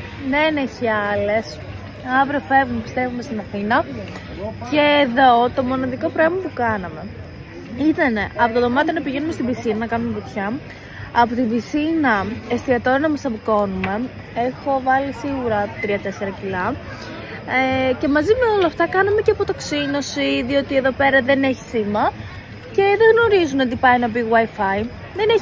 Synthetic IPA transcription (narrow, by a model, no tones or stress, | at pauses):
neneçiɐle̞s | ɐvɾeofe̞vumepi̥st̪e̞vume̞st̪inɐθinɐ | ce̞ːðo̞t̪o̞mo̞nɐðiko̞pɾoemɐpukɐnɐme̞ | it̪ɐne̞ʔɐpo̞t̪oðo̞mɐt̪jɐnɐpiʝe̞nume̞st̪ibiθinɐnɐkɐnumepit̪çɐː | pot̪ibiθinɐest̪iɐt̪oɾɐnɐmɐsɐpiko̞nume̞ | exo̞vɐlisiɣuɾɐt̪ɾiɐt̪e̞se̞ɾɐcilɐ | ce̞mɐzimeo̞loɐft̪ɐkɐnɐme̞ceɐpot̪ɐksino̞siðio̞t̪ie̞ðo̞pe̞ɾɐðe̞ne̞çi̥simɐ | ce̞ðeɣno̞ɾizunɐd̪ipɐjnɐbiɣwajfɐi | ðene